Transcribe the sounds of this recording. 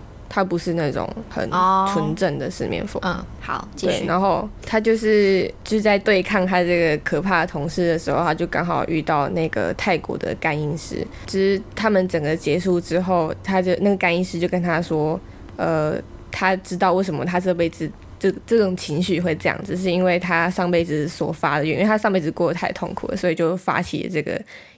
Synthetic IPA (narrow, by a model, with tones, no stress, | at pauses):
t̪ʰa˥pu˧˥ʂɻ̩˥˧na˥˩ʈ͡ʂʊ̰˨˩˦ŋxə̰˨˩nt͡sʰwə˧˥nʈ͡ʂə˥˩ŋd̪ə˩ʂɻ̩˥˧mʔjɛ̰˥˩nfo̰˨˩hɑ̰˨˩˦twe˩˥˩na˧˥nxo˥˧ʊt̪ʰa˥t͡ɕjo˥˧ʊʂɻ̩˥˩t͡ɕʂ̩˥˧˩t͡sa˥˧ɪt̪we˥˧ɪkʰɑ˥˧ŋt̪ʰa˥˧ʈ͡ʂɤ˥˩ɡə˩kʰɤ˨˩pʰa˥˩d̪ə˩t̪ʰʊ˧˥ŋʂɻ̩˥˩d̪ə˩ʂɻ̩˧˥xo˥˧ʊt̪ʰa˥t͡ɕjo˥˩ʊkɑ̰˥ŋxɑ˨˩ʊʔy̰˥˧t̪ɑ˥˧ʊna˥˩ɪɡə̰˩t̪ʰa˥˩ɪkwɔ̰˧˥d̪ə̰˨˩ka˥ni˧˥nʂɻ̩̰˥ | t͡ɕʰi˧˥ʂɻ̩˥˩t̪ʰa˥mə˨nʈ͡ʂə˨˩ŋɡə˦t͡ɕjɛ˧˥ʂu˥˩ʈ͡ʂɻ̩˥xo˥˩ʊt̪ʰa˥t͡ɕjo˥˧ʊna˥˩ɡə˩ka˥ni˥nʂɻ̩˥t͡ɕjo˥˩ʊkə˥nt̪ʰa˥swɔ˥ | ə̰˧t̪ʰa˥ʈ͡ʂɻ̩˥t̪̬ɑ˥˧ʊwe˥˩ɪʂə˧˥mə̰˧t̪ʰa˥ʈ͡ʂɤ˥˧p̬e˥˧ɪt͡sɹ̩˥˩ | ʈ͡ʂɤ˥˩ʈ͡ʂɤ˥˩ʈ͡ʂʊ˨˩ŋt͡ɕʰi˧˥ŋɕy˥˧xwe˥˧ɪʈ͡ʂɤ˥˧jɑ̰˥˩ŋʈ͡ʂ̩˩ʂ̬ɻ̩˥˧i˥nwe˥˩ɪt̪ʰa˥ʂɑ˥˧ŋpe˥˩ɪʈ͡ʂɻ̩˨˩swɔ̰˨˩fa˦˥d̪ə˨j̰̃tʰa˥˧ʂɑ˥˧pe˥˧ɪʈ͡ʂɻ̩˧kwɔ˥˩d̪ə˦t̪ʰa˥˩ɪt̪ʰʊ̰˥˩ŋkʰṵ˨˩d̪ə̰˩swɔ˧˥i˨˩t͡ɕjo˥˩ʊfa̰˥t͡ɕʰḭ˨˩lə̰˦ʈ͡ʂɤ˥˩ɡə̰˩